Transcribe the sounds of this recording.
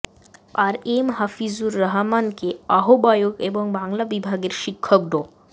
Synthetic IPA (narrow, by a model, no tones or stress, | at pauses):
aɾemɦafizuɾːaɦmankeaɦobajokeboŋbaŋlabibʱaɡeɾʃikʰːok̚ɖo